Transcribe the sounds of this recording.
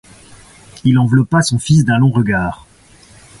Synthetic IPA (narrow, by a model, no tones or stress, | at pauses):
ilɑ̃vlɔpasɔ̃fis̬d̪ɛ̃lɔ̃ʁəɡaːʁ